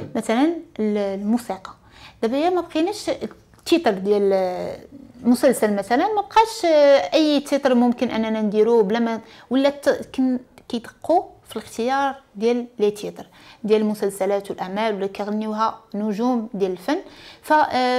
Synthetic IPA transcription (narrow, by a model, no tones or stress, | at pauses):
mæt̪ælənllmusiqɑ̥ | d̪̥æbæjæmæbqinæʃ | t̪ːit̪ˤɾˤd̪jæl | mʊsælsælmæt̪ælənmæb̚qɑʃʔəjːt̪ʰit̪ˤɾmʊmkənʔænːænænd̪iɾublæmæ | wəlːæknkæjt̪ə̥qːufiləxt̪əjɑɾˤd̪jælːæt̪ʰit̪ˤɾ | d̪jæləlmʊsælsælæt̪wəlʔaʕmælwlːækæɣənːuɦænːʊʒumd̪jæləlfænːfæ